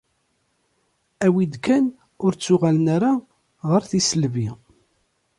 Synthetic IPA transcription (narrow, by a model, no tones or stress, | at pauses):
æwid̪kæn | ʊɾt͡sːʊʁalnaɾa | ʁəɾθisəlvi